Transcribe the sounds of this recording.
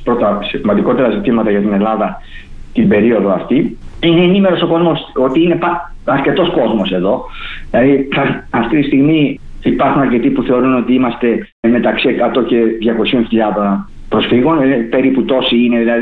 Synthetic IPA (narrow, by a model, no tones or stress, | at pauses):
pɾot̪ɐsmɐnd̪iko̞t̪e̞ɾɐzit̪imɐt̪ɐʝɐt̪ine̞lɐðɐ | t̪ibe̞ɾio̞ðo̞ɐft̪iineːnime̞ɾo̞so̞ko̞zmoso̞t̪iine̞pɐɐɾce̞t̪o̞sko̞zmo̞se̞ðo̞ilɐðiɐft̪it̪ist̪iɣmi | ipɐɾxunɐɾce̞t̪ipuθe̞o̞ɾuno̞t̪iimɐst̪e̞ | me̞t̪ɐksiekɐt̪o̞ce̞ðʝɐko̞sio̞nçiʎɐðo̞n | pɾo̞sfiɣo̞npe̞ɾiput̪o̞siine̞ðilɐði